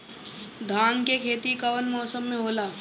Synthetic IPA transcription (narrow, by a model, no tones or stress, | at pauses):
d̪ʱaːŋkekʰeːt̪ikɐʋənmɔːsəmːẽɦoːlaː